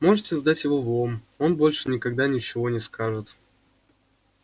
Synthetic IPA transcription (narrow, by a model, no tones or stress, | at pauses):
mo̞ʐɨtʲɪzd̪atʲjɪvo̞vˠom | o̞nbo̞lʲʂɨnʲɪkɐɡd̪anʲɪt͡ɕɪvo̞nʲɪskaʐɨt̪